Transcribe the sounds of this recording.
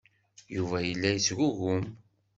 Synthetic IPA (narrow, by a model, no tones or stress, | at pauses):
juvæjəlːæjəsɣuɣʊm